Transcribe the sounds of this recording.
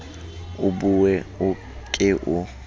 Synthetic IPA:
ʊbuwɛʊ | kʼɪʔʊ

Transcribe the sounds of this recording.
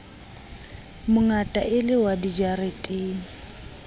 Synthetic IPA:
mʊŋatʼaʔɪlɪwadid͡ʒaɾetʼeːŋ̩

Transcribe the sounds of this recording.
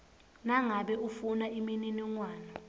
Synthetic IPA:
naŋaɓɛufunaʔimininiŋwaːnɔ

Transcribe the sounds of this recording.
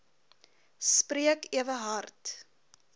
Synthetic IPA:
spriəkiəvəɦɐrt

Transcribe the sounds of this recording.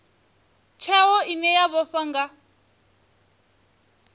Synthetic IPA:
t͡ʃʰɛwɔinɛjaβɔɸaŋɡa

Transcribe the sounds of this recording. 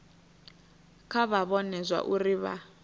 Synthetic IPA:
kʰaβaβɔnɛzʷa̰ʔuriβa̰

